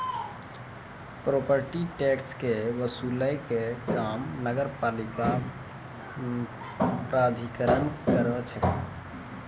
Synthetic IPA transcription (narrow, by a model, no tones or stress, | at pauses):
pɾopəɾʈiʈekskeʋəsuləjkekamnəɡəɾpalika | pɾad̪ʱikəɾənkəɾɛt͡ʃʰɛ